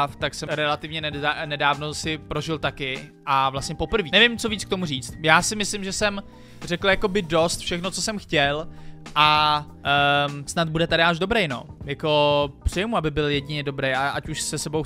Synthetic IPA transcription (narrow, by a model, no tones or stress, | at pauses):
ft̪aksɛɾɛlat̪ɪvɲɛnɛnɛdaːvno̞sɪpɾo̞ʒɪlt̪akɪʔavlast̪ɲɛpo̞pr̩viːnɛvɪmt͡soviːt͡skt̪o̞muriːt͡st̪̚jaːsɪmɪslɪmʒɛsɛm | rɛkl̩jako̞bɪdost̪fʃɛxnot͡sosɛmxcɛlʔa | snad̪̚budɛt̪adɪaʒdo̞bɾɛjno̞̰ːjako̞pr̝̥ɛjɛmuabɪbɪljɛɟɪɲɛdo̞bɾejaʔacuʃsɛsɛbow